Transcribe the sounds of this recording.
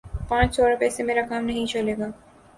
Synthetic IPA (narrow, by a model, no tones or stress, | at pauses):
pãt͡ʃɔɾapɛsemeɾakamnɛɦĩt͡ɕoleɡa